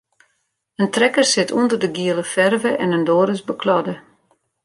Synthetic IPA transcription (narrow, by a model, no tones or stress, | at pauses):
əntrɛkərsɪtʰundərdəɡiələfɛrvəʔɛnəndoːɾəsbəkʰlɔdə